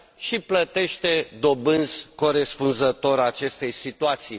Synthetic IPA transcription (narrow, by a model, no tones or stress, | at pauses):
ʃiplət̪e̞ʃt̪e̞d̪o̞bɨnzko̞ɾe̞spunzət̪o̞ɾat͡ʃe̞st̪e̞jsit̪uat̪sij